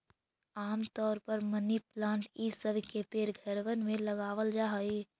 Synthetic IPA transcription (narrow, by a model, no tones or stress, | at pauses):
aːmt̪ɔːɾpəɾməniplãːɳʈisəbʱkepeːɾɡʱəɾʋənmẽləɡaːʋəld͡ʒaɦəi